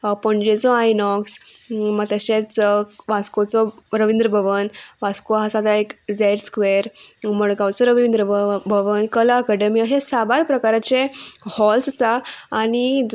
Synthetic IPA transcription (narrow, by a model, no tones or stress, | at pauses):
pɔɳd͡ʑet͡sɔajnɔksmaɡt̪əɕẽt͡sʋaskot͡sɔɾəʋind̪ɾəbʱəʋənʋaskoɦasat̪aekd͡zeʈskʋeɾməɭɡawt͡sɔɾəʋind̪ɾəbʱəʋənkəlaəkəɖəmiaɕẽsabaɾpɾəkaɾat͡ɕehɔlsəsaːñid͡z